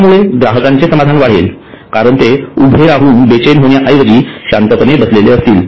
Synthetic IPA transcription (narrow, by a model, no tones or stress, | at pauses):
muɭeɡɾaɦəkaɲt͡sesəmad̪ʱanʋaɽ̤ḛl | kaɾəɳt̪eubʱeɾaɦuːnbet͡ɕenɦoɳjaʔəjʋəd͡ʑiːɕant̪əkənebəsleleəst̪iːl